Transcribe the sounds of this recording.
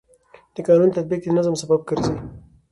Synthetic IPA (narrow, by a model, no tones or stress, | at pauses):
d̪̥əkɑːnunt̪at̪̚bik̚d̪inazəmsabab̚kəɾzaj